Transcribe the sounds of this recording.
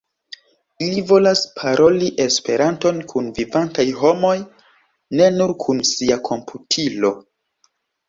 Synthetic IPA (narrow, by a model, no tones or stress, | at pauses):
ilivo̞laspʰaɾʔo̞liʔe̞spe̞ɾanto̞nkʰunvivantajɦo̞mo̞j | ne̞nuɾkʰunsiakʰo̞mpʰutʰilo̞